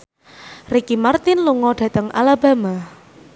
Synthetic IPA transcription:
rekimart̪ɪnluŋɔɖ̥ä̤t̪əŋʔa̰laba̤ma

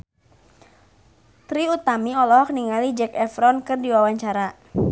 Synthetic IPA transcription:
t̪ɾiut̪amiɔlɔɦɔkniŋalid͡ʒɛkɛfɾɔnkɨrdiwawaɲt͡ʃaɾa

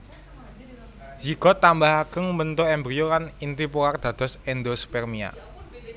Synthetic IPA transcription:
z̥iɡ̥ɔ̤t̪ambahakəŋbənt̪oɛmbɾijokanint̪ipuard̪̥ä̤d̪̥ɔ̤sɛnd̪ospɛrmia̰

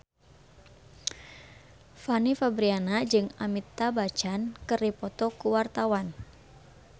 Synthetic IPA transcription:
fanifabɾianad͡ʒɨŋamit̪abat͡ʃankɨripɔt̪ɔkuwart̪awan

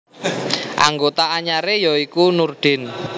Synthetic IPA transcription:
ʔa̰ŋɡot̪aaɲaɾejɔikunurɖ̪̥ɪ̤n

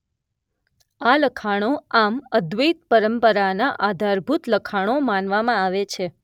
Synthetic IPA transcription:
aləkʰaɽ̃oaməd̪ʋəjt̪̚pəɾəmpəɾanaʔad̪ʱaɾbʱut̪ləkʰaɽ̃omanʋamãaʋet͡ʃʰe

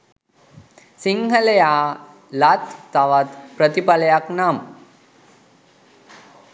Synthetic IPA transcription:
siŋɦəlejaː | lat̪ːaʋat̪pɾət̪ipaləjaknaːm

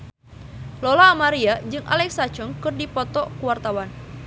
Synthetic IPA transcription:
lolaːmaɾiad͡ʒɨŋʔa̰lɛksat͡ʃɔŋkɨrdipɔt̪ɔkuwart̪awan

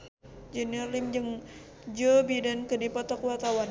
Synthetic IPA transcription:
d͡ʒənalimd͡ʒəŋ | d͡ʒəbidankədipɔt̪ɔkuwart̪awan

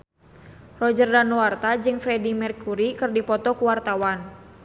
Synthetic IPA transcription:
rɔd͡ʒərdanɔwart̪ad͡ʒɨŋfɾɛdimɛrkuɾikɨrdipɔt̪ɔkuwart̪awan

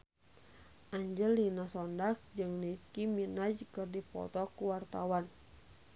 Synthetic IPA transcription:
ʔaɲd͡ʒəlːinasɔndak̚d͡ʒɨŋnikiminad͡ʒkɨrdipɔ̰t̪ɔkuwart̪awan

